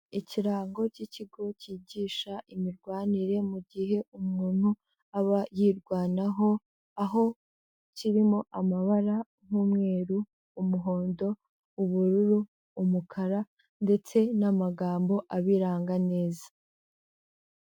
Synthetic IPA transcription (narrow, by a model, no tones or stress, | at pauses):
iciɾaːŋɡo̞ciciɡo̞ciːɟiːʃaʔimiɾɡwaːniɾe̞muɟiɦe̞umŋuːn̥hu | aβajiːɾɡwaːnaɦo̞ | aɦo̞ | ciɾimo̞ʔamaβaɾa | jumŋe̞ːɾuː | muɦo̞ːndo̞ | uβuɾuɾuː | mukʰaɾa | nde̞t͡se̞namaɡaːmbo̞ʔaβiɾaːŋɡane̞ːzḁ